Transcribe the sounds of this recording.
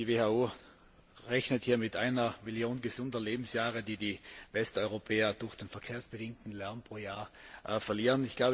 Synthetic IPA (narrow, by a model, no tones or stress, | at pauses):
d̥iveːhauː | ʁɛçnəthiːɐmɪtʔaɪnɐmiljoːnɡəzʊndɐleːbm̩sjaːʁədiːdiːvɛstɔʏʁopʰɛːɐd̥ʊɐxd̥enfɛɐkʰeːɐsb̥ədɪŋtn̩lɛɐmpʁ̥oːjaːɐʔfɛɐliːʁənɪçɡ̥laʊb